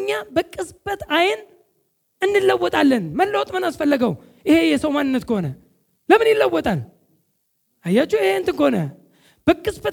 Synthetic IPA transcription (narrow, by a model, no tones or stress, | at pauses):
ɲːabəkʼːɨsbʼət̪ajɪn | ɨnːɨlːəwːɔt̪ʼalːənməlːəwt̪ʼmɨnasfəlːəɡəw | ʔɪhe̞jɛsəwmanːɨnːət̪kʰəho̞nə | ləmɨnjɪlːəwːɔt̪ʼal | ajat͡ʃːuɪheɨnt̪ɨkəhonə | b̥əkʼːɨsbət̪